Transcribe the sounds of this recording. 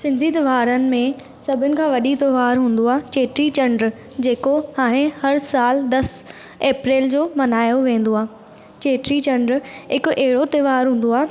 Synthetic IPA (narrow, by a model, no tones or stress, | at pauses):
sɪ̃nd̪ʱit̪ʊʋaːɾənɪ̆mẽ | sɐbʱɪnɪ̆kʰãːʋɐɗit̪ɪʋaːɾɦũːn̆d̪oaːt͡ɕeːʈɾit͡ɕɐ̃ɳɖɾ | d͡ʑeːkohaːɽ̃ehɐɾsaːld̪ɐs | eːpɾeːld͡ʑoːmɐnaːjoʋẽːn̆d̪oaː | t͡ɕeːʈɾit͡ɕɐ̃ɳɖɾɦɪkʊʔɛɦɪɽot̪eʋaːɾɦũːn̆d̪oaː